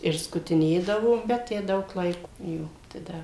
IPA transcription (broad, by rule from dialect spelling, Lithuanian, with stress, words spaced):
ɪr skʊtʲɪˈnʲeːdɐʋoː bʲɛt ˈtʲæː ˈdɐʊk ˈlˠɐɪkoː ˈjoː tɐɪ ˈdɐ